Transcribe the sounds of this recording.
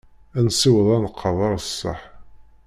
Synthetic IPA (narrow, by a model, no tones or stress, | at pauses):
ænsiwəðˤɑnəqʰːɑðˤɑɾˤsˤːəħ